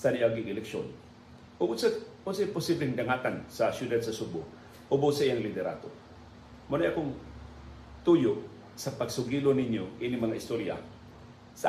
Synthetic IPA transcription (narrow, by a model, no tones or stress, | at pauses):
t̪aniʔaɡɪŋɪlɛkʃo̰n | ʔʊbʊsɐmʊsɪpʊsiblɪŋd̪ɐŋaːkansɐsjʊd̪ad̪̚sɐsʊbʊ | ʔobʊsɐʔɪjaŋlɪt̪ɛɾa̰ːt̪o̰ | mʊnɛʔɐkoŋ | t̪uːjoʔ | sɐpɐɡsʊɡiːlonɪɲjoʔinɪŋmɐŋaʔɪst̪oɾja̰ | sɐ